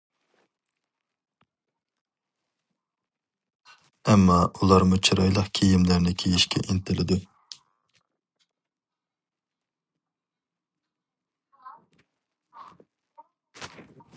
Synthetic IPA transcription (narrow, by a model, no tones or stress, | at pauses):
ɛmːɑulˠɑɾmut͡ʃʰiɾɑjlˠəqkʲʰejimlæɾnɪkʲʰejiʃkʲʰɛ̰ʔint̪ʰɪlɪd̪u